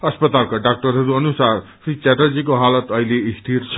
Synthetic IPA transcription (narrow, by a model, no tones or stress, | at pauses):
ʌspʌt̪alkaɖak̚ʈʌɾɦʌɾuʌnusarpʰɾit͡saʈʌd͡zik̬oɦalʌt̪ʌɦileisʈ̪ʰiɾt͡sʰ